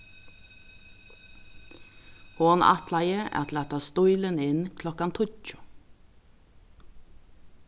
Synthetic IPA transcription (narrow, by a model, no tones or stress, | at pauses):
hoːnɑ̰t̪ʰlæɪəʔæ̰ːt̪ʰl̩ɑt̪ʰɑːst̪ɔʏlənɪnkʰlɔkɑnt̪ʰʊlc͡çʊ̥